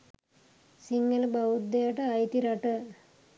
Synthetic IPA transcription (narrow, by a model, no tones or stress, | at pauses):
siŋɡɐlbɐwud̪ːejaʈəajt̪iɾɐʈə